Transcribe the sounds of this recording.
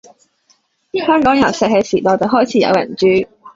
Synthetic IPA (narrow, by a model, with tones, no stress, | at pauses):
hœː˥ŋkɔː˨˥ŋjɐ˨˩wsɛ˨k̚he˨˧jsiː˨˩t̪ɔː˨wt͡sɐ˨wɦɔː˥jt͡sʰiː˨˥jɐ̰˨˧wjɐ̰˨˩nt͡ʃyː˨˥